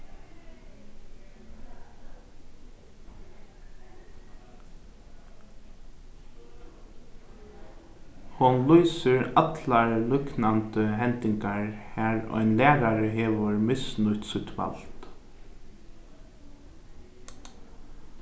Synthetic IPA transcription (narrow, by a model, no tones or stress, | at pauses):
hʊnlyːsəɹɑt̪lɑɹlʏknɑnd̪əhɛnt̪ɪŋkaɹhæːɹo̰ːɛnlæːɾaɾəɦeːʋəɹmɪsnʉt̪sʉt̪ʋɑ̰lt̪